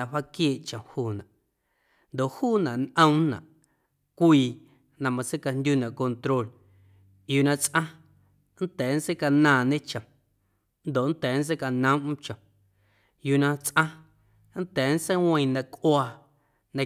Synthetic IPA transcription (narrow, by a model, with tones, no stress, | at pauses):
ã˧wa˦kjeː˦˨ʔt͡ʃə̃˨huː˦˧˨nã˨ʔ | nd̪o˨ʔhuː˦˨nã˨ʔnʔə̃˦mnã̰˨ʔ | kʷiː˧˨ | nã˧mã˧se˦ka˧nd̪ʲu˦nã˨ʔko˧nt̪ɾo˦˨l | juː˨nã˧t͡sʔã˦ | n̩˦t̪ɛː˨n̩˦se˦ka˧nãː˧˨nẽ˦t͡ʃə̃˨ | nd̪o˨ʔn̩˦t̪ɛː˨˦n̩˦s̬e˦ka˧nə̃˦m˦t͡ʃə̃˨ | juː˧˨nã˧t͡sʔã˦ | n̩˦t̪ɛː˨˦n̩˦se˦wə̃˧j̃nã˧kʔwaː˧ | nã˧